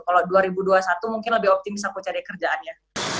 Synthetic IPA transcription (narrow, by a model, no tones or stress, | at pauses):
kaladuaɾibuduasat̪umuŋkɪnləbɪhɔp̚t̪imɪsakut͡ʃaɾakərd͡ʒaanja